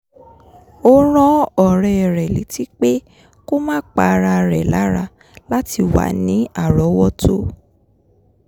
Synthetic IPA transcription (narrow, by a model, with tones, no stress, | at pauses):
o˦ɾ̃ɔ̃˦ɔ˨ɾɛ˨ɾɛ˨li˨˦ti˦k͡pe˦ | ko˦mãː˦k͡pa˨˦˧ɾa˧ɾɛ̰˨la˨˦ɾa˧ | la˦ti˧wa̰˨nĩ˨˦a˦˨ɾɔ˨˦wɔ˦tʰo˦